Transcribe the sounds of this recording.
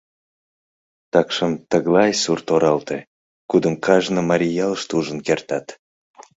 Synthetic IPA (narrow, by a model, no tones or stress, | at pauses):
t̪ɑkʃəmt̪əɣlɑjsurt̪oɾɑlt̪e | kud̪əmkʰɑʒnəmɑɾʲijɑləʃt̪uʒənkert̪ɑt̪